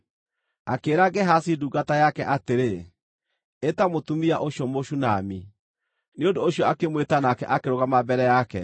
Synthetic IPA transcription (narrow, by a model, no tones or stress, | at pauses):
a̰keːɾaɡɛɦasiduɡatajakɛʔateɾe | etamotumiaʔoɕjɔmoɕunami | neondoːɕiɔakemwetanakɛ̰ʔakeɾoɣamabɛɾɛjakɛ